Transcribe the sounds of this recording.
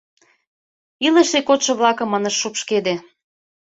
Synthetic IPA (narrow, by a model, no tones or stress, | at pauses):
iləʃekot̪ʃɤ̆βlɑkɤ̆mːɤnə̆ʃːupʃked̪e